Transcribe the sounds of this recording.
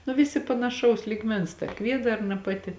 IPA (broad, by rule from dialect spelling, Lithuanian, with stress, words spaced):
nʊ ˈʋʲɪsʲɪ pɐnɐˈʃɐʊs lʲiːˈɡmʲɛns tɐ ˈkʋʲiɛdɐrnɐ ˈpɑːˌtʲɪ